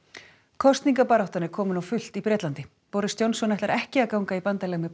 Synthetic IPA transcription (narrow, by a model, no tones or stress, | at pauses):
kʰɔst̪niŋkapaɾawht̪anɛɾkʰɔːmʏnawfʏl̥t̪ipɾɛːt̪lant̪ɪ | powɾɪst̪jownsɔnɛht̪aɾʔɛhcɪaðkawŋkaipant̪alɛːɣmɪ